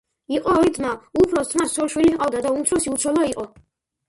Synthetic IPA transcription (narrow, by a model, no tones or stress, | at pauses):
iqʼɔit̪maupʰɾɔst̪ʰmassʰɔlʃwiliqʼavd̪ad̪aumt̪ʰɾɔsiut̪t͡ʃʰɔlˠɔiqʼɔ